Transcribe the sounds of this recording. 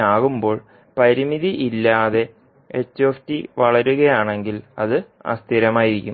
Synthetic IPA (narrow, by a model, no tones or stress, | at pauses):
aːɣumbo̞ːɭ | pɐɾimiðiʔilːaːðe̞ | et͡ɕːoːftiʋɐɭɐɾuɣɐjaːɳe̞ŋɡilɐðɨɐ̰st̪ʰiɾɐmaːjiɾikʲːum